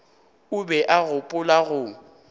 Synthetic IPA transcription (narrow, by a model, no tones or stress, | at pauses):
ʊbɛʔaɣʊpʼʊlaɣʊ